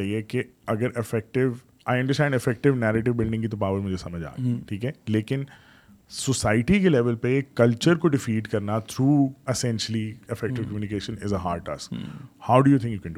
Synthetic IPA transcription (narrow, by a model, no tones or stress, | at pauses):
aiekeɐɡəɾɪfɛk̚ʈɪʋ | aːɪɐ̃ɳɖəɾsʈɛ̃ːɳɖɪfɛk̚ʈɪʋnɛːɾeːʈ̬ɪʋbɪlɖɪ̃ŋɡkit̪opaːʋəɾmʊd͡ʒʱesɐməd͡ʒa̰ːʈʰiːkɦɛleːkɪ̃n | sɔsaːɪʈikelɛʋəlpekɐlt͡ʃəɾkoɖɪfiːʈkɐɾnat̪ʰɾuːɪsɛ̃nʃəliɪfɛk̚ʈɪʋkɐmjuːnɪkeːʃə̃nɪzəɦaːɾɖ̚ʈa̰skhaʊɖujuːt̪ʰɪ̃ŋkjuːkɛ̃nɖu